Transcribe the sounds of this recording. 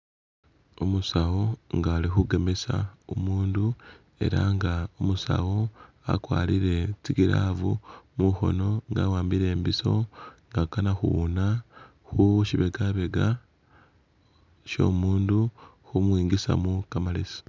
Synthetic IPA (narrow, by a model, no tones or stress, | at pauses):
omusawo̞ŋɡaːlixuɡe̞me̞sa̰omuːndu | e̞̰ɾaŋɡaomusa̰wo̞ | a̰kwa̰ːliɾe̞t͡siɡiɾavumuxo̞̰no̞ŋɡawaːmbiɾe̞ːmbiso̞ŋɡakanaxṵuna | xuʃiβe̞ɡaβe̞ɡa | ʃo̞̰ːmuːndu | xumwiːŋɡisa̰mukamalisḁ